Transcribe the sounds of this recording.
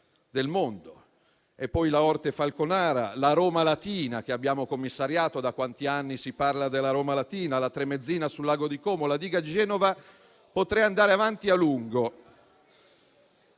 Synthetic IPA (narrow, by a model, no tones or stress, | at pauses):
d̪elmond̪o | epːɔjlaɔrt̪efalkonaːɾa̰laɾoːmalat̪iːnak̟eabːjaːmokomːisːaɾjaːt̪od̪akwant̪ianːisiparlad̪elːaɾoːmalat̪iːnalat̪ɾemːed̪zːiːnasulːaːɡod̪ikɔːmolad̪iːɡad͡ʒɛːnova | pot̪ɾɛand̪aːɾeavant̪ialuŋɡo